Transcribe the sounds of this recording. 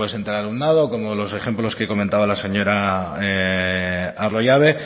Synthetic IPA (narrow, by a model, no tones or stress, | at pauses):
esent̪elalunnaðo̞ko̞molo̞se̞χe̞mplo̞ske̞ko̞mẽnt̪aβalase̞ɲo̞ɾae | aro̞ʝaβ̞e̞